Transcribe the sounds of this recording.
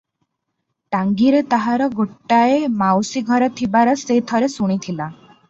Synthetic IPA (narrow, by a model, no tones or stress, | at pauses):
ʈaŋɡiɾet̪aɦaɾɔɡoʈːaemawsiɡʱɔɾɔt̪ʰibaɾɔset̪ʰɔɾesuɽ̃it̪ʰila